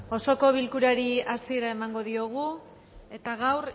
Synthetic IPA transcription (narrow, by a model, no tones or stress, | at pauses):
o̞so̞ko̞β̞ilkuɾaɾiasie̞ɾae̞maŋɡo̞ðio̞ɣ̞u | e̞t̪aɣawr